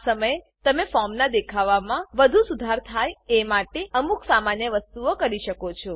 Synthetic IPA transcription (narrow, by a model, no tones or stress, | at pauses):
səməjet̪əmefɔɾmnad̪ekʰaʋamãʋəd̪ʱusud̪ʱaɾt̪ʰajemaʈeəmuksamanjəʋəst̪uokəɾiʃəkot͡ʃʰɔ